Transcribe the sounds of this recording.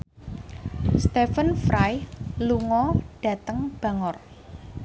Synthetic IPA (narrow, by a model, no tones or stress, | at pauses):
st̪efənfɾajluŋɔɖ̥ä̤t̪əŋb̥ä̤ŋɔr